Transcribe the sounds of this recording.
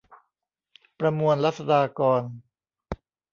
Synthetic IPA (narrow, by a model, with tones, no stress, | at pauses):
pɾa˧mu˧ənla˦˥t̪̚sa˧daː˧kɔː˧n